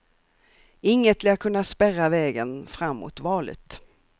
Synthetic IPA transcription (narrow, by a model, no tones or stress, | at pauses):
ɪŋːət̪leːkʰɵnːaspɛɾavɛːɡənfɾamːṵt̪vɑːlɪ̰t̪